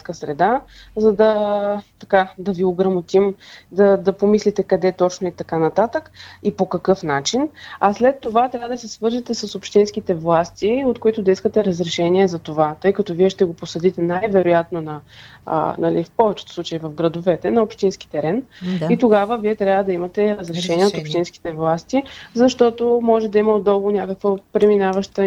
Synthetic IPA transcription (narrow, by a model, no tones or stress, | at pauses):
kəsɾɛd̪azɐd̪ɐt̪ɐkad̪ɐvioɡɾɐmot̪imd̪ɐd̪ɐpomislit̪ɛkɐd̪ɛt̪ɔt͡ʃnoit̪ɐkanɐt̪at̪əkipokɐkɤfnat͡ʃinɐslɛt̪ːovat̪ɾʲavəd̪ɐsɛsvɤɾʒit̪ɛsɐsopʃt̪insk̟it̪ɛvlˠast̪iot̪̚koit̪ʊd̪ɐiskət̪ɛɾəzɾɛʃɛniɛzɐt̪ovat̪ɤjkɐt̪ɔviɛʃt̪ɛɡoposɐd̪it̪ɛnajvɛɾojat̪nonɐ̰ | nɐlifpɔvɛt͡ʃɛ̥t̪ʊ̥slˠut͡ʃəivəvɡɾɐd̪ovɛt̪ɛnɐopʃt̪insk̟i̥t̪ɛɾɛnit̪oɡavəviɛt̪ɾʲjabvəd̪ɐimət̪ɛɾəzɾɛʃɛniɛot̪opʃt̪inski̥t̪ɛvlˠast̪izɐʃt̪ɔt̪omɔʒɛd̪ɐiməod̪ːɔlˠvʊnʲakəkvəpɾɛminavəʃt̪ə